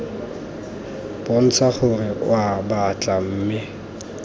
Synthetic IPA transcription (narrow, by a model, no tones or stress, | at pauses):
b̥ʊn̩t͡sʰaχʊrɪʔwabat͡ɬʼam̩ːmɪ